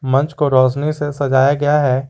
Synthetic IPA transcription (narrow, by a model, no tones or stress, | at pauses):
mɐ̃nt͡ʃkoɾɔːsnisesɐd͡ʒaːjaɡɐjaɦɛː